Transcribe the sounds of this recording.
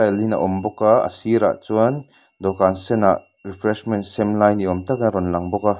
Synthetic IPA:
alina̰ʔɔmbɔkaə̰siɾa̰ʔt͡suən | d̪ɔkansɛnaʔ | rifʰɾɛsmɛntsɛmlajniɔmt̪ɐkaɾɔnlɐŋbɔka

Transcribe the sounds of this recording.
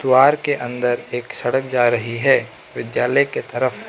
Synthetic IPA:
d̪ʊwaːɾkeʔɐ̃nd̪əɾeːksɐɽək̚d͡ʒaːɾɐɦiɦɛː | ʋɪd̪jaːləjket̪ɐɾəf

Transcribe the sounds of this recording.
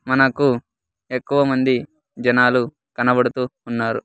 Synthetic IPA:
mɐnɐku | ekːuʋɐmɐnd̪i | d͡ʒɐnaːlu | kɐnɐbɐɽut̪uːnːaːɾu

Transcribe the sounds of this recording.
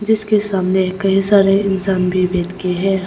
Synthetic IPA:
d͡ʒɪskesaːmnekɐɦĩsaːɾeɪnsaːnbʱibɛːt̪keɦɛː

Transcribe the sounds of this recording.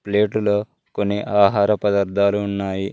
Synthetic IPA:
pleːʈulɐ | koniʔaːɦaːɾɐpɐd̪ɐɾd̪ʱaːluːnːaːji

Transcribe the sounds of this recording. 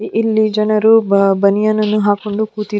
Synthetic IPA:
ʔilːid͡ʒɐnɐɾubɐnijanɐnuɦaːkuɳɖukuːt̪i

